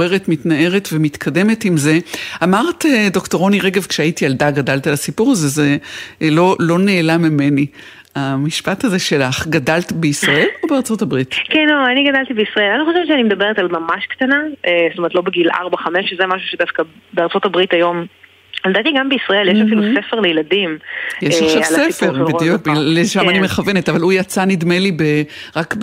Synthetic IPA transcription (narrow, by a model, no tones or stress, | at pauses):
eʁetmitnae̞ʁetvemit̪kʰade̞me̞timze̞amaʁtedo̞kto̞ʁo̞niʁeɡevkʃeaitialdaɡadalt̪alasipuʁaze̞zelo̞lo̞ne̞ːlamime̞ni | amiʃpataze̞ʃe̞laχɡadaltbeisʁae̞lo̞beaʁt͡so̞tabʁitkɛnoaniɡadalt̪ibeisʁɐe̞laniχo̞ʃevtʃeanimed̪ɐbeʁetalmamaʃkt̪anaest̪ometlobeɡilʔa̰ʁbaχameʃezemaʃuʃed̪afkabeaʁt͡so̞t̪abʁitajo̞m | ld̪at̪iɡambeisʁɐeljeʃafilusefeʁlejeladimjeʃaʃavalseifeʁledijuk̚blzʃamaniimeχavenetavalujat͡sanidme̞libeʁakb